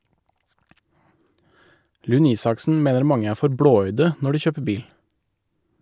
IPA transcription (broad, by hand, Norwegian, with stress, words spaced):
ˈlʉn ˈiːsɑksn̩ ˈmeːnəɾ ˈmɑŋə ˈæː ˈfɔɾ ˈbɽoːˌœʏdə ˈnɔ ˈɖiː ˈçøːpə ˈbiːl